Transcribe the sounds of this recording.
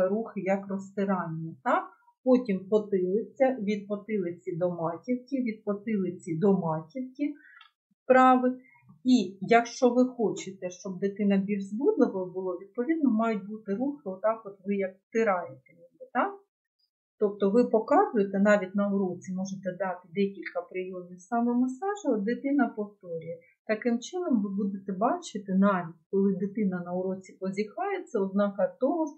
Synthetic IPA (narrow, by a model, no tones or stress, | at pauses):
ɾuxɪjɐkrɔst̪ɪɾɑnʲːit̪ɑk | pɔtʲimpɔt̪ɪlˠɪt͡sʲːɐʋʲid̪̚pɔt̪ɪlˠɪt͡sʲid̪ɔmɑtʲiwkʲiʋʲid̪̚pɔt̪ɪlˠɪt͡sʲid̪ɔmɑtʲiwkʲi | spɾɑʋɪ | ijɐkʃt͡ʃɔʋɪxɔt͡ʃɪt̪ɛʃt͡ʃɔb̚d̪et̪ɪnɐbʲilʲzbud̪lˠɪʋɔbʊlˠɔʋʲid̪̚pɔʋʲid̪̚nɔmɑjʊt̚ʲbut̪ɪɾuxɪɔt̪ɑkɔt̪ʋɪjɐk̚t̪ɪɾɑjet̪ɛlʲiɪt̪ɑ | t̪ɔp̚t̪ɔʋɪpɔkɑzʊjet̪ɛnɑʋʲit̚ʲnɐʊɾɔt͡sʲimɔʒet̪ɛd̪ɑt̪ɪd̪ɛkʲilʲkɐpɾɪjɔmnʲɪwsɑmɛmɐsɑʒɪɔd̪ɪt̪ɪnɐpɔft̪ɔɾʲijɛ | t̪ɐkɪmt͡ʃɪnɔmʋɪbud̪et̪ɛbɑt͡ʃɪt̪ɪnɑʋʲitʲkɔlˠɪd̪ɪt̪ɪnɐnɐʊɾɔt͡sʲipɔzʲixɑjet̪sɛɔd̪nɑkɐt̪ɔɦɔ